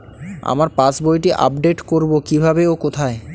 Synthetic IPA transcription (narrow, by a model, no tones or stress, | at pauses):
a̰maɾpasbojʈiʔa̰pɖeʈkoɾbokibʱabeokot̪ʰae